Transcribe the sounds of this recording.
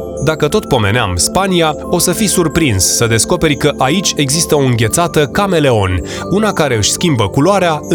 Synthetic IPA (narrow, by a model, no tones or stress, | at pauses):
d̪akət̪o̞t̪̚po̞me̞̰nea̰mspania | o̞səfijsurpɾinssəd̪e̞sko̞pe̞ɾʲkəʔait͡ʃʲe̞ɡzist̪əo̞ɨŋɡʲe̞t̪sat̪əkame̞le̞o̞nʲ | unakaɾe̞ɨʃʲskʲimbəkuloaɾea